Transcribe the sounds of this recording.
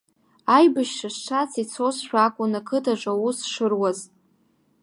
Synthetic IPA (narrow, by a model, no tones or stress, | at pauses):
ajbɨʃʂʰasʈ͡ʂʰat͡sʰit͡sʰosʃʷᶣakʷʼʊnakʰɨtʰʼaʐʷʼawusʂɨrwaz